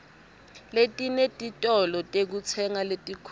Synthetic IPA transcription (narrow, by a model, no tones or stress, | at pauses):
letʼinetʼitʼɔlɔtʼek̬ut͡sʰɛŋaletʼikʰ